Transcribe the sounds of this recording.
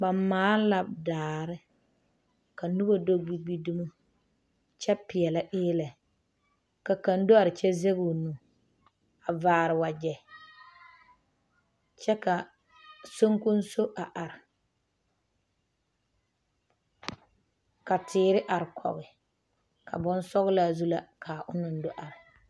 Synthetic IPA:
ba˨mmaː˨˦la˨bdaː˨ɾɪ˦ | ka˨nu˦bo˦do˦ɡ͡bi˦ɡ͡bi˦du˦mu˦ | t͡ʃɛ˦pɪ˨ɛ˨la˨ʔɪː˦lɛ˨ | ka˨ka˨ndo˦a˨ɾɪ˨t͡ʃɛ˦zɛ˦ɣu˨nũ˨ | a˨vaː˨ɾɪ˨wa˨d͡ʒɛ˨ | t͡ʃɛ˦ka˨ | so˦ŋkʊ˦n˦so˦ʔa˨ʔa˨ɾɪ˨ | ka˨tʰɪː˦ɾɪ˦ʔa˨ɾɪ˨kʰɔ̰˨ɣɪ˨ | kʰa̰˨bɔ˦nsɔ˦ɣɪ˦la˦˨zu˦la˦kʰa˨ʔʊ˦nʊ˨n˦do˦ʔa˨ɾɪ˨

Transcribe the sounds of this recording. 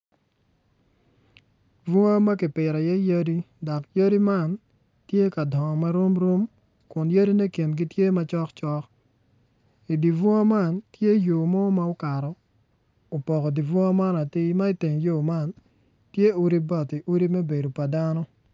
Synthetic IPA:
vɔ˦ŋa˦ma˦kɪ˨pɪ˨ɾɔ˨jɛ˦jə˦di˦ | dɔ˨kjə˦di˦ma˦˨n | tje˦ka˨dɔ˨ŋɔ˨ma˦ɾo˦mɾo˦m | kʊ˨njə˦ɾi˦ne˦ke˨nɡi˦tje˦ma˦t͡ʃɔ˦kt͡ʃɔ˦k | i˨di˨vu˦a˦ma˦˨ntje˦jo˨mɔ˦ma˦o˦ka˨ɾɔ˨ | o˨pɔ˨kɔ˨di˨vɔ˦a˦ma˦na˨tɪ˦ma˦i˦te˨ŋjo˦ma˦˨n | tje˦u˦ɾi˦bɔ˨ti˨ʔu˦ɾi˦mɛ˦be˨do˨pa˨da˦nɔ˦

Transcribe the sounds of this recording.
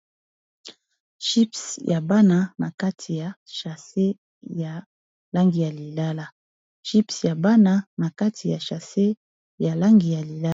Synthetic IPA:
ʃi˦psja˨ba˦na˦na˨ka˦tʰi˨ja˨ʃa˨se˦ | ja˨ | la˦ŋɡi˨ja˨li˨la˦la˦ | ʃi˦psja˨ba˦na˦na˨ka˦tʰi˨ja˨ʃa˨se˦ | ja˨la˦ŋɡi˨ja˨li˨la˦

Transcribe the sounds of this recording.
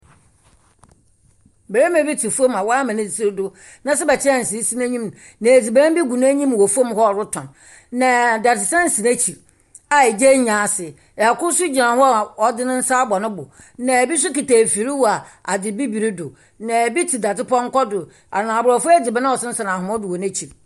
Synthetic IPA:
bɛ˨ɾe˦mã˨˦bi˦tʰi˨fu˦o˦mã˨wɔ˦a˦mã˨nɪ̃˦si˨si˦ɾdʊ˦ | nã˨sɛ˦bɛ˨t͡ɕʰɪ˦˨n̩˨si˨˦si˦nã˦ɲĩ˦m˨ | nã˨e˨d͡zi˨bɛ˦ã˦bi˦ɡu˨ñ˦ɲĩ˦m˨wɔ˨fo˦m˦hɔ˦˨ɾʊ˦tʰɔ̃˨n | nã˨da˨tʰɪ˨sɛ̃˦n̩˨si˨næ̃˦t͡ɕʰi˨ | a˨e˨d͡ʑe˦ɲã˨sɪ˨ | kʊ˦sʊ˦d͡ʑi˨nã˨hɔ˦˨ɔ˨dɪ˦nʊ̃˦n̩˦saː˦bɔ˨nʊ̃˦bʊ˨ | nã˨bi˦s̬ʊ˦ki˨taː˨fi˨ɾi˦wa˨a˨dɪ˨bi˦bi˨ɾi˦dʊ˨ | nã˨bi˦tʰi˨da˨tɪ˦pɔ˦ŋ̩˦kɔ˦dʊ˨ | a̰˨nã˨bʊ˨ɾɔ˨fʊ˦æ˦d͡zi˨bɛ˦nã˦ɔ˨sɪ˦n̩˦sa˨nã˨hʊ̃˨mɔ˦dʊ˨wɔ˨næ̃˦t͡ɕʰi˨

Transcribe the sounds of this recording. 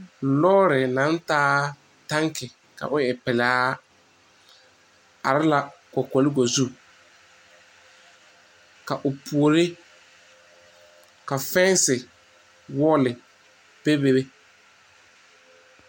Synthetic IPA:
lɔː˦ɾɪ˨nã˨˦n˦taː˦ | ta˦ŋkɪ˨ | ka̰˨ʔʊ˦ɛ˨pɪ˨laː˦ | a̰˨ɾɪ˦la˨kɔ˨kɔ˨lɪ˦ɡo˨zu˦ | ka˨ʔʊ˨pʰu˨o˨ɾɪ˦ | ka˨fɛ˦n˦sɪ˨ | wɔ˦lɪ˨ | pe˦be˦be˦

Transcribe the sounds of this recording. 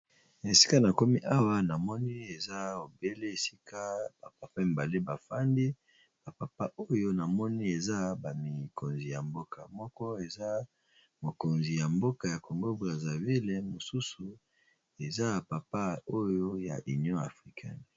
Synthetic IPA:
e˨si̥˦ka˦na˨ko˦mi˦ʔa˦wa˦na˨mɔ˦ni˦e˨za˦o˨be˦le˦e˨si̥˦kʰa˦b̥a˨pa˨pa˦e˨mba˨le˦ba˨fa˦ndi˦ | b̥a˨pa˨pa˦ʔo˦jo˦na˨mɔ˦ni˦e˨za˦ba˨mi˨kʰo˨nzi˨ja˨mbo˦ka˨mɔ˦kɔ˦e˨za˦ | mo˨ko˨nzi˨ja˨mbo˦ka˨ja˨ko˨ŋɡo˦bʁa˨za˨vi˦le˨mo˨su˦su˨ | e˨za˦˨pa˨pa˦o˦jo˦ja̰˨ʔi˨njɔ̃˦a̰˨fʁi˦kʰɛ̰˦n˨

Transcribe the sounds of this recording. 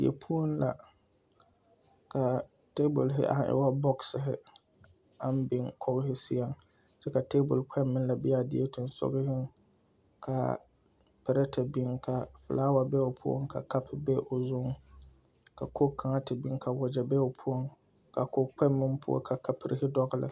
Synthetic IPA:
jɛ̰˨pʰu˦o˦nla̰˨ | ka˨ | te˦bʊ˨lɦɪ̰˦ʔa̰˦n˦ʔɪ̰˨˦wa˦bɔ˦ksɪ˨ɦɪ˦ | a˦n˦bɪ˨ŋkʰɔ˦ɣɪ˦hɪ˦si˦a˦ŋ | sɛ˦ka˨te˦bʊ˨lk͡pʰɛ˦mːɪ˦n˦la˨bɪ˦a˦˨dɪ˦e˦tʊ˨n˦sɔ̰˦ɣɪ˦hɪ˦ŋ | kʰa˨ | pɛ˨ɾɛ˦tʰa˨bi˦ŋkʰa˨fɨ̰˨laː˦wa˨bɛ˦o˨pʰu˦o̰˦ŋkʰa˨ka˦pɪ˦bɛ˦ʔo˨zʊ˦ŋ | ka˨kʰo˦kʰa˨ŋa˦tɪ˨bi˦ŋka˨wɔ˨d͡ʒɛ˨bɛ˦o˨pʰu˦o˦ŋ | ka˨ko˦k͡pʰɛ˦mːɪ˦mpʰʊ˦o̰˦kʰa˨ka˨pɪ˨ɾɪ˦hɪ˦dɔ˦ɣɪ˦lɪ̰˨

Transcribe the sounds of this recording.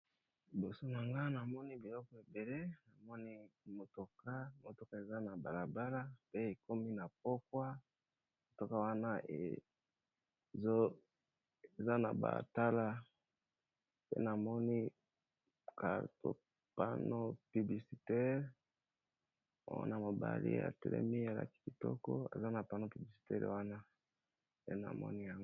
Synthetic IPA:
bo˨so˦na˨ŋɡa˦na˨mɔ˦ni˦bi˨lɔ˦kɔ˨e˨be˨le˦na˨mɔ˦ni˦mo˨to˨ka˦mo˨to˨ka˦e˨za˦na˨ba˨la˨ba˦la˦pe˦e˨ko˦mi˦na˨p̚o˦kwa˦ | mo˨to˨ka˦wa˦na˦ḛ˨˦ | e˨za˦na̰˨ba̰˨ta˦la˦ | pḛ˦na˨mɔ˦ni˦ | kʰa˨to˨ | pa˦no˦py˨bli˨si˨tɛ˦ʁ | a̰˦na˨mo˨ba̰˨lḭ˦a̰˨tɛ˨lɛ̰˦mi˦a˨la̰˨ki̥˦ki˨tɔ˦kɔ˦a̰˨za˦na˨pa˦no˦py˨bli˨si̥˨tɛ˦ʁwa˦na˦ | pe˦na̰˨mɔ̰˦ni˦ja˦ŋɡ

